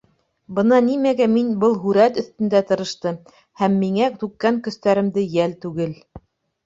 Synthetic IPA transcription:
bɤ̆nɑnimæɡæminbɤlˠɦʉɾæt̪ɵ̆θt̪ɘ̆nd̪æt̪ɤ̆ɾɤ̆ʃt̪ɤ | hæmːiŋæt̪ʉkːæŋkɵ̆st̪æɾɘ̆md̪ɘjælt̪ʉɡɘl

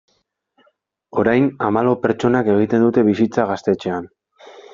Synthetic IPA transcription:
o̞ɾajnamalo̞pe̞ɾt͡ʃo̞nake̞ɣ̞it̪e̞nd̪ut̪e̞βisit͡saɣ̞ast̪e̞t͡ʃe̞an

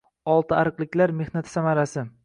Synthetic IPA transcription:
ɒlˠt̪ʰɪaɾɨqlˠɪkʲlaɾme̞hnat̪ʰɪ̥samaɾasɪ

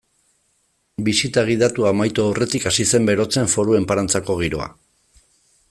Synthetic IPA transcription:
bisit̪aɣ̞iðat̪uamajt̪oore̞t̪ikasise̞mbe̞ɾo̞t͡se̞ɱfo̞ɾue̞mpaɾant͡sako̞ɣiɾo̞̰a̰

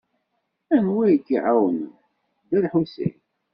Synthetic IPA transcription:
ænwæjkːiʕawənə | d̪æɾħusḭj

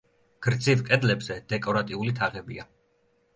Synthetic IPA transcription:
ɡ̥ɾd̪zivkʼɛd̪lɛbz̥ɛd̪̥ɛkʼɔɾat̪ʼiulit̪ʰaʁɛbia

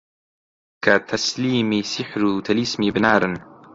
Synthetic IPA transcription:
kat̪ʰasliːmisɪħɾut̪ʰalismibnaːɾn

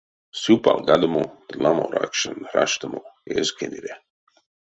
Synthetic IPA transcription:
supalɡad̪əmod̪̥lamoɾa̰kʃanɾaʃt̪amoezkʰeniɾe

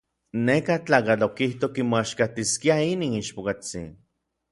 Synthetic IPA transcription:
nekat͡ɬaːkat͡ɬokiht̪okimoaʃkat̪iskiainiːniʃpokat͡sḭn

